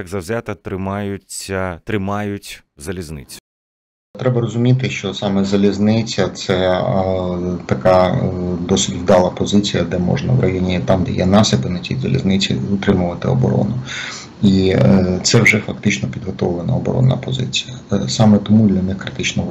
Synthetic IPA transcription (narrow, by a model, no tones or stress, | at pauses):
jɐɡzɐwzʲat̪ɐt̪ɾɪmɑjʊt͡sʲːɐt̪ɾɪmɑjʊtʲzɐlʲiznɪt͡sʲʊ̥ | t̪ɾɛbɐɾɔzʊmʲit̪ɪʃt͡ʃɔsɑmɛzɐlʲiznɪt͡sʲɐt̪sɛ | t̪ɐkɑd̪ɔsʲitʲʋd̪ɑlˠɐpɔzɪt͡sʲijɐd̪ɛmɔ̰ʒnɐ̰ʋrɐjɔnʲit̪ɑmd̪ɛjɛnɑsʲɪpɪnɐt͡sʲijzɐ̰lʲḭznɪt͡sʲḭʊt̪ɾɪmʊʋɐt̪ɪɔ̰bɔ̰ɾɔ̰nʊ | it̪sɛwʐɛfɐk̚t̪ɪt͡ʃnɔpʲid̪ɦɔt̪ɔʋlˠenɐ̰ɔbɔ̰ɾɔ̰nːɐ̰pɔzɪ̰t͡sʲi̥jɐsɑmɛt̪ɔmud̪ʲlʲɐnɪxkɾɪt̪ɪt͡ʃnɔ